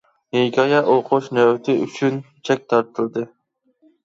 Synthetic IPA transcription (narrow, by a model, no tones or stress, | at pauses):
neɡʲɑjɑʔoqʰoʃnɛwt̪ʰɪy̰t͡ʃʰyn | t͡ʃʰɛk̚ʲt̪ʰɑɾt̪ʰɨlˠd̪ɨ